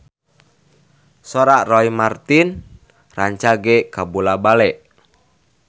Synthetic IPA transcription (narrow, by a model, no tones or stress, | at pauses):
sɔɾaʔrɔimart̪in | raɲt͡ʃaɡɛkabulabalɛʔ